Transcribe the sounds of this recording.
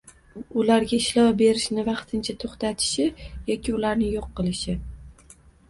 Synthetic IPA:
ʊlaɾɡʲaɪʃlɒwbe̞ɾɪʃnɪvɑqt̪ʰɪnt͡ʃʰat̪ʰoχt̪at̪ʰɪ̥ʃɪjɒkʲʰɪʊlaɾnɪjoqːɨlˠɪʃɪ

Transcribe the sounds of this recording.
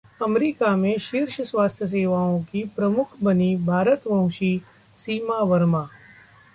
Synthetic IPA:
ɐmɾiːkamẽʃɪɾʃəsʋaːst̪ʰjəs̬eːʋaːõkipɾɐmʊkʰbɐnibʱaːɾət̪ʋɐ̃w̃ʃiː | siːmaʋəɾmaː

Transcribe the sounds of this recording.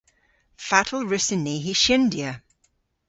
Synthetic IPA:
fatʰl̩ˠɹɪsɪnːiɦiʃɪ̃ndiə

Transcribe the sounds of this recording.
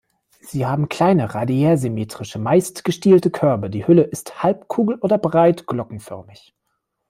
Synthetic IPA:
z̥iːhaːbm̩kl̥aɪnəʁadiɛːzymeːtʁ̥ɪʃəmaɪstɡ̥əʃtiːltəkʰœɐbɐdiːhʏləʔɪsthalp̚kʰuːɡl̩ʔoːdɐbʁaɪtɡ̥lɔkŋ̩fœ̰ɐmɪç

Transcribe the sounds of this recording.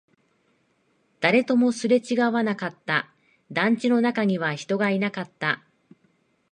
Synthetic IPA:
d̪̥aɾe̞t̪o̞mo̞sɨɾe̞t͡ɕiɡaβanakat̪ːa | d̪ãɲ̟t͡ɕino̞nakaɲ̟iβaçi̥t̪o̞ɡainakat̪ːa

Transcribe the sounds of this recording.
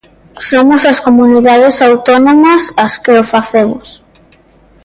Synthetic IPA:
somosɐskomuniðaðesawt̪onomɐsɐskeofaθemʊ̰s

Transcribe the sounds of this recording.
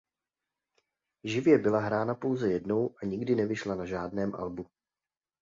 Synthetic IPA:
ʒɪvjɛbɪlaɦɾaːnapo̞wzɛjɛdno̞wʔaɲɪɡdɪnɛvɪʃlanaʒaːdnɛːmʔa̰lbu

